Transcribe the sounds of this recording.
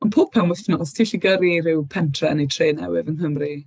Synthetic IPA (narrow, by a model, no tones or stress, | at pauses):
ɔnpʰoːb̚pʰɛwnwɪɬnɔstʰiːɬiɡəɾirɪwpʰɛntʰrɛənejtʰreːnɛ̰wɪvənɦəmri